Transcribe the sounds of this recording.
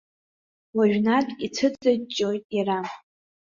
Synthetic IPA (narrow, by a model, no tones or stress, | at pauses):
waʒᶣnatʼit͡sʰɨt͡sʼat͡ʃʼːojtʼjara